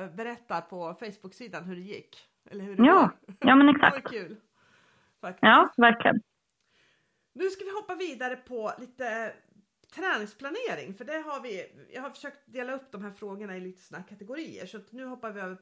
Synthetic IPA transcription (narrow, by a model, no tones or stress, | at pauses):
bɛɾɛt̪ːapʰɔfɛjsbʊksiːd̪anɦɵɖɛjɪkː | ʔɛ̰lːəɾhɵjɑːjɑːmɛnɛksa̰kkt̪ʉːl | fajɑːvæɾklɪə̰n | nʉ̟ːskavɪɦɔpːaviːd̪aɾəpʰɔliːt̪ə | t̪ʰɾɛːnɪŋspʰlaneːɾɪ̰ŋfœɖɛɦaɾvɪjɑ̰ɡhaɾfœ̥ʂøːk̚t̪̚d̪eːlaɵpːd̪ɔmɦæːɾfɾoːɡəɳaɪliːt̪ə̥sːnakʰat̪ɛɡʊɾiːə̰ʂɔat̪nʉ̟ːɦɔpːavɪœːvəɾ